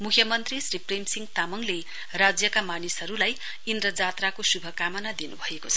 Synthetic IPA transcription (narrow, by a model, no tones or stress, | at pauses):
mukʰjʌmʌnt̪risripremsiŋɡt̪amʌŋle | rad͡zjʌkamanisɦʌɾulaj | ind̪ɾʌd͡zat̪rakosubʱʌkamʌnad̪inubʱʌekot͡sʰʌ̥